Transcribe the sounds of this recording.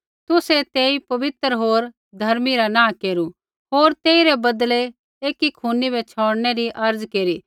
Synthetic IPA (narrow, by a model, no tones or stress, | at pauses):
t̪ʊset̪eːipɐʋɪt̪ɾɦoːɾ | d̪ʱɐɾmiɾanãːkeːɾu | ɦoːɾt̪eːiɾebɐd̪le | eːkikʰuːnibɛt͡ʃʰoːɽnɛɾiʔɐɾd͡zkeːɾiː